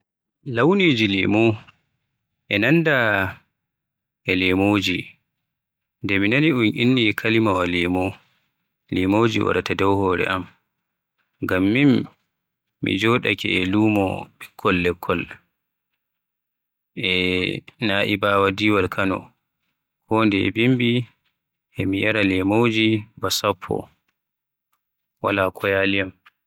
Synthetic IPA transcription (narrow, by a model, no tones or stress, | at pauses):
lawniːd͡ʒilimo | ʔɛnanda | ʔɛlɛmoːd͡ʒi | ndɛminaniʔunʔinːikʰalimawalɛmo | limoːd͡ʒḭwa̰ɗatadɔwhɔːɾɛ̰ʔam | ɡamːimː | ḭd͡ʒɔɗa̰kɛ̰ɛluːmɔ̰bikʰːɔlːɛkʰːɔl | ʔɛnaːʔibaːwadiwalkʰanɔ̰ | kʰɔndɛɛ̰bimbi | ʔɛmiʔaɾalɛmowd͡ʒibasapʰːɔ̰ | walakʰɔjalijam